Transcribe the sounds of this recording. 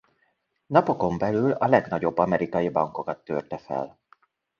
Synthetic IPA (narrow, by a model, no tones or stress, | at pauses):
nɒpo̞ko̞mbɛlylɒlɛɡnɒɟo̞bːɒmɛɾikɒjibɒŋko̞kɒt̪ːørt̪ɛfɛ̰l